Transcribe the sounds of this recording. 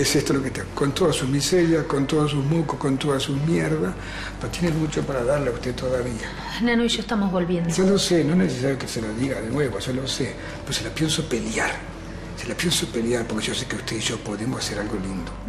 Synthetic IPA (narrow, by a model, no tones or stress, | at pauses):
esest̪oloket̪akont̪oðasuzmiseɾjakont̪oðas̬uhmokohkont̪oðasumjeɾðas | peɾot̪jenemut͡ʃopaɾaðaɾleaust̪et̪oðaβia | nanoiʃoest̪amozβolβjend̪osalosenoehneses̬aɾjokeseloðiɣaðenweβosalose | peoselapjensopeljaɾ | selapjensopeljaɾpoɾkeʒosekeust̪eiʒopoðemosaseɾalɣolind̪o